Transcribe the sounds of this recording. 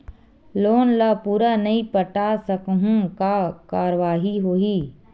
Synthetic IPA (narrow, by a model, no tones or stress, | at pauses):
loːnlapuːɾanɐɦĩpəʈasəkɦũkakaːɾəʋaːɦiɦoːiː